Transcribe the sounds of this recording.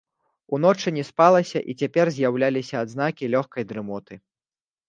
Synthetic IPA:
unɔt͡ʂɨnʲɛspalˠɐsʲɐʔit͡sʲapʲɛrzʲjawlʲalʲisʲɐːd̪zn̪akʲilʲɔxkɐjd̪ɾɨmɔt̪ɨ

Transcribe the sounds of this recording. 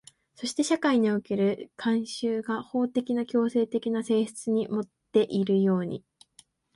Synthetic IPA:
so̞ɕi̥t̪e̞ɕakaiɲ̟ioke̞ɾɯ̟kʰãɰ̃ɕɨːɡaho̞ːt̪e̞kʲinakʲo̞ːse̞ːt̪e̞kʲinase̞ːɕɨ̥t͡sɨɲ̟imo̞t̪ːe̞ʔiɾɯ̟jo̞ːɲ̟ḭ

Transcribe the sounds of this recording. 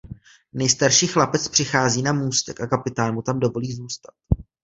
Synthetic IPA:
nɛjst̪aɾʃiːxlapɛt͡spr̥ɪxaːziːnamuːst̪ɛkʔakapɪt̪aːnmut̪amdo̞vo̞liːzuːst̪ḁt̪̚

